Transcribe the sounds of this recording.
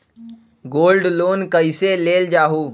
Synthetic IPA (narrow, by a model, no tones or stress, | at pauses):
ɡoːlɖloːnkəɪseleːld͡ʒaːɦuː